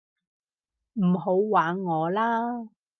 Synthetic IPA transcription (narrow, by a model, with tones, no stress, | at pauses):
m̩˨˩ɦo˨˧˥wwaː˨˥ŋːɔː˨˧laː˥